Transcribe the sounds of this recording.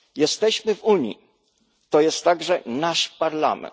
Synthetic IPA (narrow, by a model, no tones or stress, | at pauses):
jɛst̪ɛɕmɘvuɲḭ | t̪ɔjɛst̪ːaɡʐɛnaʂpaɾla̰mɛ̰